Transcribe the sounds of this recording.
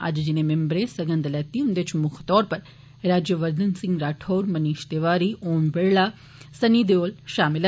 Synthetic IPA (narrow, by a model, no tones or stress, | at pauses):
ɐ̰d͡ʒd͡ʒɪnemẽmbɾesɐɡə̃nd̪lɛːt̪iʊnd̪et͡ʃmʊkʰt̪ɔːɾpɐɾ | ɾaːd͡ʒjəʋəɾd̪ənsɪ̃ŋɡɾaːʈʰoːɾmɐniːʃt̪eʋaːɾioːmbeɽɭa | sɐniːd̪eoːlʃaːmɪl